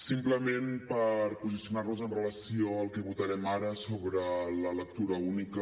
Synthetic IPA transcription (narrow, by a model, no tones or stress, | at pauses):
simpləmempəɾpuzisiunaɾnuzənrələsioəlˠkɛβut̪əɾɛmaɾəsoβɾələləkk̚t̪uɾəunikə